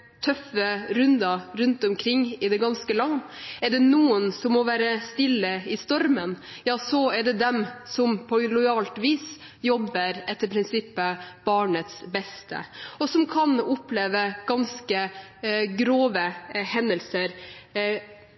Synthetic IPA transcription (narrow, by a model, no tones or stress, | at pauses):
t̪ʰœfəɾʉnd̪ɑɾʉnt̪ɔmkʰɾɪŋːɪd̪ɛɡɑnskəlɑnɛɖɛnuːənsɔmːɔʋæːɾəst̪ɪlːəɪst̪ɔɾmən | jɑːsɔɛɖɛd̪ɛmsɔmpʰɔlɔɪɑːlt̪ʋiːs | jɔbːəɾɛt̪ːəɾpʰɾɪnsɪpːəb̥ɑːɳət̪sbɛst̪ʰə̰ɔsɔmkʰɑnʊpleːʋəɡ̥ɑnskə | ɡɾoːʋəhɛnːəlsəɾ